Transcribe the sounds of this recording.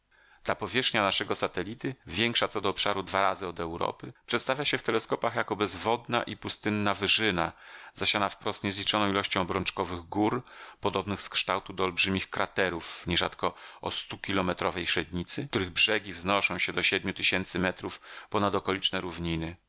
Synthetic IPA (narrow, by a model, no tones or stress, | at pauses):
d̪̥lapɔvʲjɛʂxɲanaʂɛɡɔsat̪ɛlʲit̪ɘvʲjɛŋkʂat̪sɔd̪ɔːpʂaɾud̪vaɾazɘɔd̪ɛwɾɔ̰pɘpʂɛt̪st̪avjaɕɛft̪ɛlɛskɔpaxjakɔbɛzvɔd̪na̰ʔipust̪ɘnːavɘʐɘnazaɕanafpɾɔst̪ɲɛzlʲit͡ʂɔnɔ̃w̃ilɔɕt͡ɕɔ̃w̃bɾɔnt͡ʂkɔvɘɣɡuɾpɔd̪ɔbnɘxskʂt̪awt̪ud̪ɔːlbʐɘmʲixkɾat̪ɛɾufɲɛʐa̰t̪kɔɔ̰st̪ukʲilɔmɛt̪ɾɔvɛjʂɛd̪ɲit̪sɘt̪uɾɘɣbʐɛɡʲivznɔʂɔ̃w̃ɕɛd̪ɔɕɛd̪̚mʲut̪ɘɕɛnt̪sɘmɛt̪ɾufpɔnad̪ɔkɔlʲit͡ʂnɛɾuvɲinɘ